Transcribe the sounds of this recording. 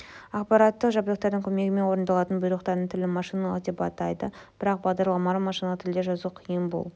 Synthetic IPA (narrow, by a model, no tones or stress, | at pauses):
ɑqpɑɾɑt̪ːəqʒɑbd̪ˠəq̚t̪ɑɾd̪əŋkʲʰɵme̞ɡʲɪme̞nwo̞ɾənd̪ɑlˠɑt̪ənbʊjɾlˠəqt̪ɑɾd̪əɴt̪ʰɪlɪmɑʃijnɑlˠəqd̪e̞pɑt̪ɑjd̪əb̥ɪɾɑq̚bɑʁd̪ɑɾlˠɑmɑɾəmɑʃinɑət̪ʰɪld̪eʒɑzuqʰijənbo̰lˠ